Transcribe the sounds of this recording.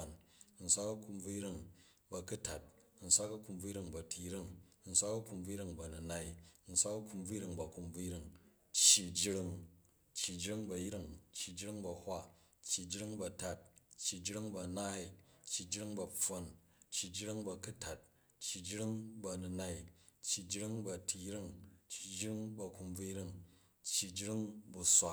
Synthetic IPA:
a˨n˧ | n̩˦sʷa˦kɐ˦ku˧mb͡vu˦jɾi˦ŋ | bɐ˧ku˦ta˨t̚ | n̩˨˦sʷa˦kɐ˦ku˧mb͡vu˦ji˦ɾi˦˧ŋbɐ˨tʰi˧jɾi˦ŋ˧n̩˨˦sʷa˦kɐ˦ku˧mb͡vu˦ji˦ɾi˧ŋbɐ˨nu˧na˦i˨˧n̩˦sʷa˦kɐ˦ku˧mb͡vu˦ji˦ɾi˧ŋbɐ˨ku˧mb͡vu˦jɾi˦˧ŋ | t͡ʃːi˨d͡ʒi˦ɾi˧ŋ | t͡ʃːi˨d͡ʒɾi˦ŋbɐ˧ji˦ɾi˦ŋt͡ʃːi˨d͡ʒi˦ɾi˦ŋbɐ˧hʷa˦ | t͡ʃːi˨d͡ʒɾi˦ŋbɐ˨˧ta˨t̚t͡ʃːi˨d͡ʒi˦ɾi˦ŋbɐ˧˨na˦i˨t͡ʃːi˨d͡ʒɾi˦ŋbɐ˧ɸo˧n | t͡ʃːi˨d͡ʒɾi˦ŋbɐ˧ku˦ta˨t̚ | t͡ʃːi˨d͡ʒɾi˦ŋbɐ˧nu˧na˦i˦˨ | t͡ʃːi˨d͡ʒi˦ɾi˦ŋbɐ˧tʰi˧jɾi˦ŋt͡ʃːi˨d͡ʒɾi˦ŋbɐ˧ku˧mb͡vu˦ɾi˦ŋ | t͡ʃːi˨d͡ʒɾi˦ŋbu˧sʷa˦

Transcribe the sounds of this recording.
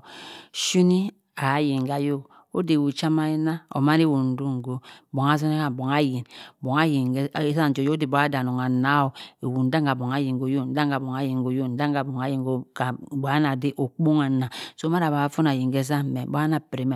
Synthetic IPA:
ʃu˦ni˦ | a˨˦ji˨ŋ˨ɡa˨jo˦k | o˦de˨wu˨t͡ʃa˦ma˦i˦na˦o̰˨ma˦ne˦˨wu˨n̩˦du˦ŋ˨ɡo˦bo˨ŋa˨˦zɔ˦ne˦ka˨bɔ˨ŋa˦ji˨nbo˨ŋa˦ji˨˦˨za˦˨d͡ʒo˨jo˦o˦de˨bo˦a˦da˨no˨ŋa˨na˦o˨e˨wu˨n̩˦da˦ŋɡa˨bo˨ŋa˨˦ji˨ŋɡo˨˦jo˦˨n̩˦da˦ŋɡa˨bɔ˨ŋa˦ji˨ŋɡo˨˦jo˦˨n̩˦da˦ŋ˦ɡa˨bo˨ŋa˨˦ji˨ŋɡo˦ka˨˦ba˨˦na˨de˦ʔo˨k͡po˦ŋa˨na˨so˦ma˦ɾa˨ba˨a˦fo˦na˨ji˨ŋ˨ɡɛ˦za˦mɛ˨bo˦a˦na˨pɾe˨m˨

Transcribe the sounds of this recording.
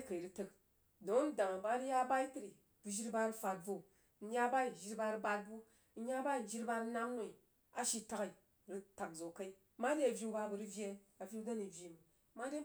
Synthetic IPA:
ka˨i˨ɾi˦tə˧k | do˨˦ŋ˦n˦da˨ŋa˨ba˦ɾi˦ja˦ba˦i˦ti˦ɾi˨ | b̥u˧ʒi˦ɾba˧ɾɨ˦fa˧t̚vo˨˦ | ɲʲa˦ba˦i˨ʒi˦ɾba˧ɾɨ˦ba˧t̚bu˦ | ɲʲa˦ba˦i˨d͡ʒi˦ɾba˧ɾɨ˦na˦ŋːʷ˦o˨i˨ | a˦ʃi˦ta˦ki˨ | ɾi˧ta˨k̚zo˨ka˦i˦ma˦de˦a˨vʲji˦ba˧bu˧ɾɨ˦vʲe˦na˨fʲi˦u˦da˦ni˨vʲji˨mu˨˦ | ma˦de˦

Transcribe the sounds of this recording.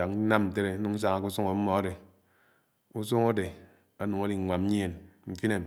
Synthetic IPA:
a˨kna˦m˨n̩˨t̬e˦ɾe˨˦nu˨˦ŋ̩˦s̬a˦ŋa˨ku˦su˦ŋo˨m̩˦mɔ˨a˦de˨ | u˦s̬u˦ŋo˦de˨ | a˦nu˨ŋa˦li˨ŋ˨ŋʷa˨m̩˦ɲi˦je˨nŋ͡m̩˨ki˦ne˨m

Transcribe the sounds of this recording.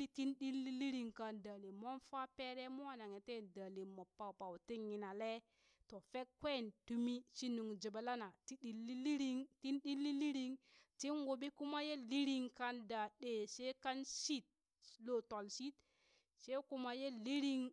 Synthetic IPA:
i˦ti˦nɗi˦lːi˦li˦ɾi˨ŋka˨nda˨li˨mo˦nfa˦pe˦ɾe˦mo˦a˨na˨ŋe˨te˦˨nda˨li˨mo˨pa˨pa˨wti˦ŋi˨na˨le˦ | to˨fe˦kkwe˦˨ntu˦mi˦t͡ʃi˦nu˨ŋd͡ʒe˨ba˨la˦na˨ti˦ɗi˨lːi˦li˦ɾi˦ŋti˦nɗi˦lːi˦li˦ɾi˦ŋti˦nɡo˨ɓi˦ku˦ma˦je˦li˦ɾi˦ŋka˦nda˨ɗe˨se˦ka˦nsi˦t̚ | lo˦to˨lsi˦t̚ | se˦ku˨˦ma˨je˦li˦ɾi˦ŋ

